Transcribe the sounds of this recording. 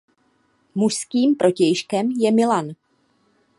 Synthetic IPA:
muʃskiːmpɾʔo̞cɛjʃkɛmjɛmɪlan

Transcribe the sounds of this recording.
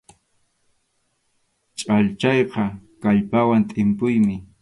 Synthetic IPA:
t͡ʃʼaʎt͡ʃɑjqɑkaʎpawant̪ʼɪmpʊjmɪ

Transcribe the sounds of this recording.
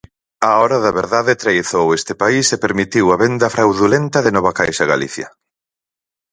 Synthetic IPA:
aɔɾɐðɐβeɾðaðɪt̪ɾejθowest̪ɪpaisepeɾmit̪iwɐβend̪ɐfɾawðulent̪ɐðɪnɔβɐkajʃɐɣa̰lḭθjɐ

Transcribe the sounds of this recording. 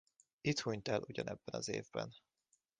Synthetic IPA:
it̪huɲt̪ɛlʔuɟɒnɛbːɛnɒzeːvbɛn

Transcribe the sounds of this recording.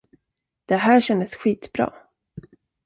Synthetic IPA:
d̪̥ɛɦæːɕɛnd̪əsɧiːt̪bɾɑ̰ː

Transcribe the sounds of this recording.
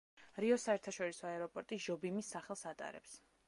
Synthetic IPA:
ɾiɔsaɛɾt̪ʰaʃɔɾisɔaɛɾɔpʼɔɾt̪ʼiʒɔbimisːaχɛlˠsat̪ʼa̰ɾɛ̰ps

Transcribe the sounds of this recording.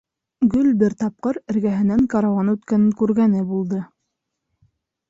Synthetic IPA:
ɡɵlbɘɾt̪ɑp̚qɤɾɘ̆ɾɡæɦɘ̆næŋqɑɾɑwɑnʉt̪kænɘŋkʉɾɡænɘbulˠd̪ɤ

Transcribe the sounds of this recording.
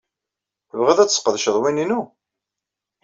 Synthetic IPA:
θəvʁæðæt͡sːsqəðʃəðˤwininu

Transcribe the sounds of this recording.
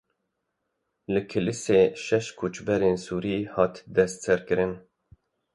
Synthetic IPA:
lɨkʰɨlɨseːʃɛʃkʰut͡ʃbɛɾeːnsuːɾiːhɑːt̪d̪ɛst̪sɛɾkɨɾɨn

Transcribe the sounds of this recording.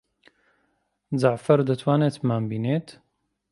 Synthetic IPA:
zaʕfɐɾd̪ət̪ʰwaːnet̪maːmbiːneːt̪

